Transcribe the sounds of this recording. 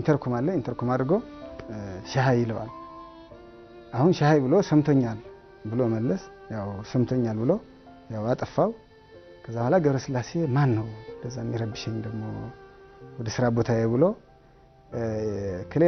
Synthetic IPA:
nt̪ʰəɾkʰomalːəint̪ʰəɾkomad̪ɾɨɡow | ʃaɦajɪləwa̰l | ʔahunʃahajbɨlo̞səmt̪ʰoɲːal | bɨloməlːəs | jawsəmt̪ʰoɲːalbɨlo̞ | jawat̪ʼəfːaw | kʰəzːabəhʷwalaɡəβɾəsɨlːase̞manːəwd̪əzːamːiɾəbːɨʃɛɲd̪əɡmo | wɔd̪əsɨɾabo̞t̪ʰajebɨlo | kʰɨle

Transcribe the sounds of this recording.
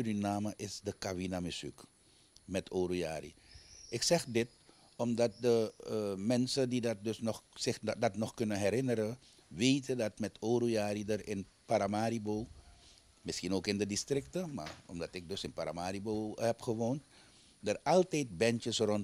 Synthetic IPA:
ydinaːməʔɪsdəkabinamɪsy̰k | mɛtʰoːɾuja̰ːrḭʔɪksɛχdɪt̚ | ɔmdɑt̚dəmɛnsəndidɑt̚dɵsnɔχsɪxdɑtnɔχkɵnənɦɛɾɪnəɾə | ʋejtəndɑtmɛtʰoːɾujaːɾidərɪnpaɾamaːɾibow | mɪsxinoːkɪndədistrɪk̚təma̰ːɹɔ̰mdɑtɪk̚dɵsɪnpaɾa̰maːɾibowhɛpχəʋoːnt | dərɑlˠtɛjt̚bɛntəsrɔn

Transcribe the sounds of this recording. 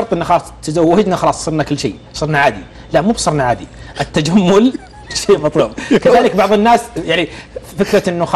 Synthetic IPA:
ɑɾt̪ˤʔɪnːaxɑlɑsˤt̪ɪzawːɪd͡ʒnaxɑlɑːsˤsˤɨɾnakɪlːʃḛː | sˤɨɾnaʕaːd̪i | lamuːbsˤɨɾˤnaʕaːd̪iʔɪt̪ːad͡ʒamːʊl | ʃeːmɑt̪ˤluːb̚kaðaːlɪkbɑʕðˤɨnːaːsjaʕnifɪkɾɑt̪ʔɪnːʊx

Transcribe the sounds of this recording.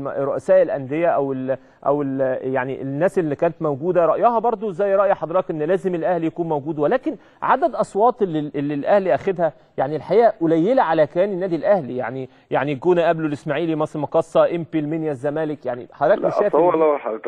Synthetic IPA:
rˤːoʔæsæːʔelʔænd̪ejæʔæwel | ʔæ̰weljaʕniʔenːæːsʔelːikæːnæt̪mæwɡuːd̪æɾˤɑʔjɑhɑbɑɾˤd̪ˤozæːjːɾɑʔjɑħɑd̪ˤɾɑːkʔenːlæːzemelʔæhljækuːnmæwɡuːd̪welæːken | ʕad̪æd̪ʔɑsˤwɑːt̪ˤlːielːilʔæhliʔæxæd̪hæ | jaʕnilħajæːʔolæjːelæʕalækæjæːnenːæːd̪ilʔæhlija̰ʕni | ja̰ʕniɡoːnæʔæblolʔesmaʕiːlimɑsˤmɑkɑsˤːɑʔempilmenjæzːæmæːlekjaʕnḭħɑd̪ɾɑːkeʃæːfɑɑlħat̪

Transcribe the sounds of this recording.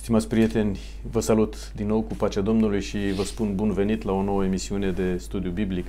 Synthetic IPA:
st̪imat̪sʲpɾije̞t̪e̞nʲ | vəsalut̪ | d̪inːo̞wkupat͡ʃead̪o̞mnulujʃivəspunbunve̞nit̪lao̞no̞wəemisiune̞d̪e̞st̪ud̪ijubiblik

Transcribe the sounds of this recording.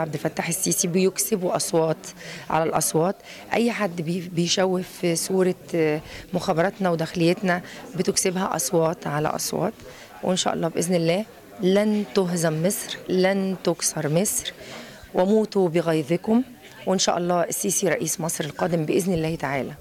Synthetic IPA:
ʕabd̪ɪfæt̪ːaħesːiːsibɪjoksɪbuʔɑsˤwɑːt̪ʕa̰lælʔɑ̰sˤwɑːt̪ | ʔæ̰jːħad̪ːbejʃæwːɪfsuːɾˤɑ | mʊxæːbɑɾˤɑt̪næwd̪æxlɪjːæt̪næbɪt̪oksɪbhæʔɑ̰sˤwɑːt̪ʕalæ̰ʔɑ̰sˤwɑ̰ːt̪ | wʔenʃæ̰ʔɑ̰lˤːɑːbʔeznɪlːæːh | lænt̪ʊɦzæmːesˤɾlænt̪oksɑɾˤmesɾwɪmuːt̪ubeɣɑjðˤɪkʊm | wɪnʃæ̰ːʔɑlˤːɑːʔɪsːiːsiɾˤɑʔiːsmɑsˤɾelqɑːd̪ɪmbeʔeznɪlːæːht̪aʕaːlæ

